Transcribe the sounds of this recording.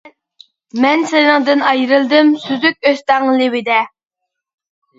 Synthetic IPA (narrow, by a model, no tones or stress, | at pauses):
mɛnsɪnɪŋd̪ɪnɑjɾɨlˠd̪ɪmsyzykʲøzt̪æŋlˠɪwɪd̪ɛ